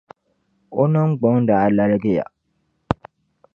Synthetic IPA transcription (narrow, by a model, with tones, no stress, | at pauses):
o˦nɔ˦ŋ˦ɡ͡bɔ˨˦ŋ˦da˨a˨la˨lɡe˦ja̰˨